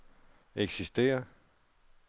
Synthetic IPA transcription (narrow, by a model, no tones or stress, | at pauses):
eɡ̥sisd̥e̝̰ːɐ